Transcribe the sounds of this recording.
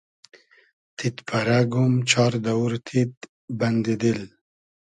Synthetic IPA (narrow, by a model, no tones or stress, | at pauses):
t̪ʰit̪pʰaɾaɡumt͡ʃʰɑːɾd̪awuɾt̪ʰit̪̚ | band̪id̪il